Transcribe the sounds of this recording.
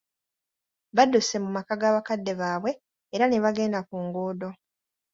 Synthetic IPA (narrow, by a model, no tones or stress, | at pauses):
βaduse̞mumakaɡaːβakadːe̞βaːβwe̞ː | ɾaneβaɡe̞ːndakuːŋɡoːdo̞